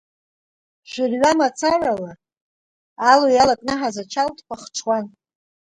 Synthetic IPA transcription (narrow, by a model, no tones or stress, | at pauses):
ʒʷʏrɥamat͡sʰaralaː | lojalakʼnɨħazat͡ʃʰaltʼkʷʼaχʈ͡ʂʰwan